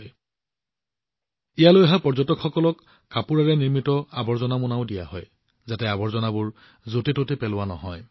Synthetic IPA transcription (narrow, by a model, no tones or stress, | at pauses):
ijalojaɦapɔɹzɔtɔkxɔkɔlɔkː | apuɹaɹɛniɹmitɔabɔɹzɔnamʊnaʊdija̰hɔj | zatɛabɔɹzɔnabʊɹ | zotetotepɛlʊwanɔɦɔj